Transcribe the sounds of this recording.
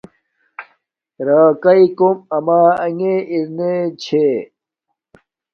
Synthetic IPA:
ɾaːkɐikomɐmaːɐŋeiɾnet͡ɕʰe

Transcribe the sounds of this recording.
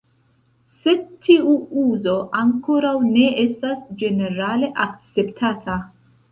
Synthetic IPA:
se̞tʰːiuuzo̞ʔaŋkoɾawne̞estasd͡ʒe̞ne̞ɾale̞ʔak̚t͡se̞ptʰatʰa

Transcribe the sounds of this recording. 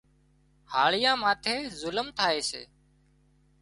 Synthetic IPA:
haːɭɪjãːmaːt̪ʰeːzʊləmt̪ʰaːeːsḛː

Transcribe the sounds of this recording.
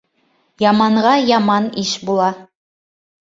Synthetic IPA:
jɑmɑɴʁɑjɑmɑniʃbulˠɑ

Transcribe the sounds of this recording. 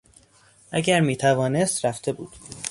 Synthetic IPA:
ʔæɟæɾmiːt̪ʰævɒːne̞st̪ɾæft̪ʰe̞buːd̪̥

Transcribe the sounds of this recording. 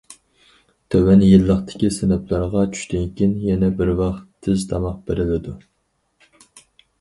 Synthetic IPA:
t̪ʰøwɛnjilːəχt̪ɪ̥kʲisɪnɛplˠɑɾʁɑt͡ʃʰy̥ʃt̪yŋkʲinjɛnɛbɪɾwɑχt̪ʰɪzt̪ʰɑmɑq̚b̥eɾɪlɪd̪u

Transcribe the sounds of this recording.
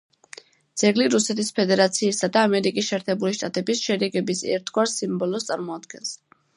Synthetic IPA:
d̪z̥ɛɡliɾusɛt̪ʰispʰɛd̪ɛɾat̪sʰiːsad̪aːmɛɾikʼisʃɛːɾt̪ʰɛbuliʃt̪ʼat̪ʼɛbisʃɛɾɛɡɛbisɛ̰ɾt̪ʰɡwaɾsimbɔlɔst̪sʼa̰ɾmɔad̪̥ɡɛns

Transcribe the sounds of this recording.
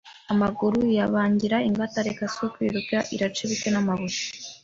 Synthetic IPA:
amaɡuɾujaβaːɲɟiɾaiŋɡataɾekasokwiɾuɡaʔiɾat͡ʃeβitenamaβusi̥

